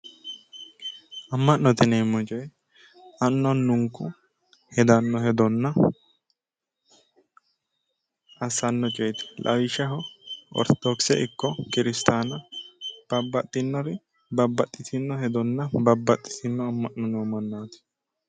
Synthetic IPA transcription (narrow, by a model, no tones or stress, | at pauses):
ɐmːɐʔnɔt̪ɪneːmːɔt͡ʃʼɔj | ɐnːɔnːʊŋkːʊ | hɛd̪ɐnːɔhɛd̪ɔnːɐ | ɐsːɐnːɔt͡ʃʼɛjt̪ɛ̥lʔɐ̰wɪʃɐɦɔɔ̰ɾt̪ɔd̪oksɛʔɪkːɔkɪɾɪst̪aːnɐb̥ɐbːɐt̪ʼːɪnːɔɾɪ | bɐbːɐt̪ʼːɪt̪ʰɪnːɔhɛd̪ɔnːɐbɐbːɐt̪ʼːɪ̥t̪ɪnːɔɐmːɐʔnɔnɔmɐnːaːt̪ɪ̥